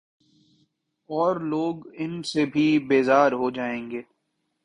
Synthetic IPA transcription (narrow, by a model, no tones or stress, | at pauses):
ɔːɾloːɡɪnsebʱibeːzaːɾɦod͡ʒaːẽːŋɡeː